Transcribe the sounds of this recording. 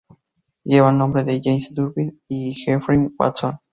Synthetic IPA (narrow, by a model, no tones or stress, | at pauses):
jeβanõmbɾeðeʝejnsd̪uɾbinixefɾĩnwa̰t͡son